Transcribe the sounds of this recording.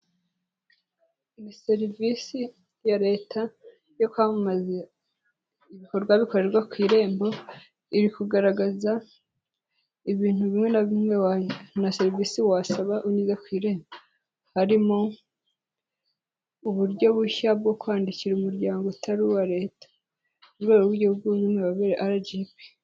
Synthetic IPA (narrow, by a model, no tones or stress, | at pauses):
imise̞ɾivisi | jaɾe̞ːta | jo̞kwamumaze | iβiko̞ɾɡwaβiko̞ɾe̞ɾɡakwiːɾe̞ːmbo̞ | iɾikuɡaɾaɡaza | iβiːn̥huβimŋe̞naβimŋewnase̞ɾivisiwasaβaʔuniːzakwiːɾe̞ːmbo | haɾimo̞ | uβuɾɟo̞βuʃaβɡo̞kwaːndiciɾeumuɾɟaːŋɡotʰaɾuwaɾe̞ːtḁ | uɾɡeɾoβuɾjouβɡuzimweβaβeɾeʔaɾaɟiːpi̥